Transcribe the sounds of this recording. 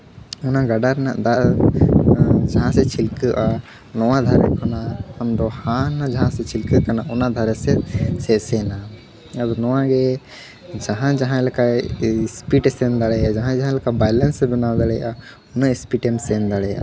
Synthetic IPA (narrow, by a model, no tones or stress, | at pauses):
unaɡaɖaɾna̰ʔd̪aʔ | d͡ʒaɦãsɛt͡ʃʰilkəʔa | nɔwad̪ʱaɾɛ̰kɔnaamd̪ɔhanːad͡ʒaɦãsɛt͡ʃʰilkəʔkanaʔɔnad̪ʱaɾɛsɛsɛʔsɛna | ad̪ɔnɔwaɡɛ | d͡ʒaɦãd͡ʒaɦãɛlɛkaspiʈɛsɛnd̪aɽɛjad͡ʒaɦãd͡ʒaɦãlɛkabajlɛnsɛbɛnawd̪aɽɛjʔa | ɔnaispiʈɛmsɛnd̪aɽɛja̰